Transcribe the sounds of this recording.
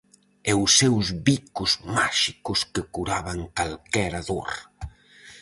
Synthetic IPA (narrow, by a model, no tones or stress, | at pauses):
ɛʊsɛwzβikʊzmaʃikʊskɪkuɾaβaŋkalkɛɾaðo̰ɾ